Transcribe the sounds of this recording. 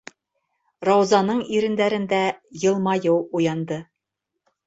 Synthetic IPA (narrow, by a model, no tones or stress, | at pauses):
rɑwzɑnɤɴiɾɘ̆nd̪æɾɘ̆nd̪æjɤ̆lˠmɑjɤwujɑnd̪ɤ